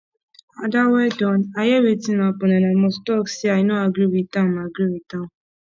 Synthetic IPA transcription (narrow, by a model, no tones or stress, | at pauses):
adawɛdɔnajɛwetinapɔnɛnamɔstɔksiajinoaɡɾiwitãmaɡɾiwitã